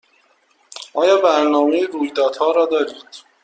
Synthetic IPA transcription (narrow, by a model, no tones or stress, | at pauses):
ʔɒːjɒːbæɾnɒːmejeɾuːjd̪ɒːd̪̥hɒːɾɒːd̪ɒːɾiːd̪̥